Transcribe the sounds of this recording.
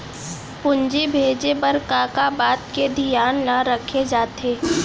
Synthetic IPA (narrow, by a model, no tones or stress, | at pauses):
pʊɲd͡ʒibʱeːd͡ʒepɐɾkaːkabaːt̪ked̪ʱijaːnlaɾəkʰed͡ʒaːt̪eː